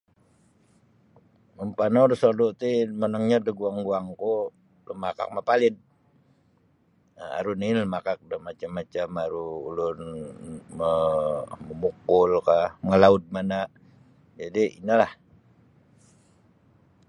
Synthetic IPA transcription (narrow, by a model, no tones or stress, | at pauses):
məmpanorsodut̪imanəŋɲadəɡuaŋɡuaŋko | ləmaka̰k̚mapalɪn | a̰ɾuniləmakak̚dəmat͡ʃamːat͡ʃamaɾuːlʊn | mə | məmukʊlkahŋəlaʊt̪̚mana | d͡ʒadiʔḭnəlah